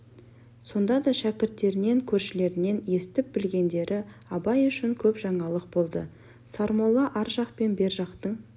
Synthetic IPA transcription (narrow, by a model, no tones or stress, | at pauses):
so̞nd̪ɑd̪ɑʃækʲɪɾt̪ːe̞ɾɪne̞ŋkʲʰɵɾʃɪle̞ɾɪne̞nje̞st̪ɪp̚b̥ɪlɡʲe̞nd̪e̞ɾʔɪɑbɑjʏʃɪŋkʲʰɵpʒ̥ɑɴɑlˠəq̚bo̞lˠd̪ə | sɑɾmolˠɑʔɑɾʒɑqpe̞nbe̞ɾʒɑqt̪əɴ